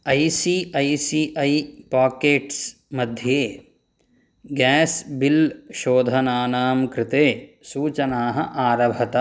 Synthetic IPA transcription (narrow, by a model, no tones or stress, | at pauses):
ɐjsiːɐjsiːʔɐjpaːkeːʈs | mɐd̪ʱjeː | ɡɛːsbilʃoːd̪ʱɐnaːnaːmkɾɪt̪eːsuːt͡ʃɐnaːɦɐ̰ʔaːɾɐbʱɐt̪ɐ